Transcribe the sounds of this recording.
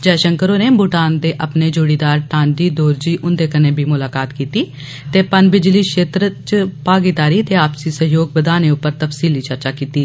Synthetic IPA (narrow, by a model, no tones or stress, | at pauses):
d͡ʒɛːʃəŋkəɾoːneːbʊʈaːnd̪eːʔəpneːd͡ʒoːɽiːd̪aːɾʈãːnd͡ʒiːd̪oːɾd͡ʒiːʔʊnd̪eːkəneːbʱiːmʊlaːkaːt̪kiːt̪iː | t̪eːpənbɪd͡ʒliːkʃeːt̪ɾət͡ʃpaːɡit̪aːɾiːt̪eːaːpsiːsəɦjoːɡ̚bəd̪aːneːʊpːəɾt̪əpsiːliːt͡ʃəɾt͡ʃaːkiːt̪iː